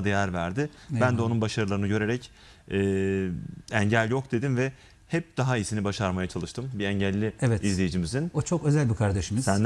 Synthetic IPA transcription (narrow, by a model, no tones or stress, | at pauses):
d̪ajæɾvæɾd̪ɪ | bænd̪ɛo̞nunbaʃaɾɯlˠaɾɯnɯɟø̞ɾe̞ɾɛc | ɛː | ɛɲɟælʲjo̞kd̪e̞d̪invɛ | hɛp̚d̪̥aɦaijsinibaʃaɾmajat͡ʃʰalˠɯʃt̪ʰɯmbiɛɲɟælʲːiɛvɛizlʲejid͡ʒimizinot͡ʃʰokø̞zælʲbikʰaɾd̪eʃimizsænd̪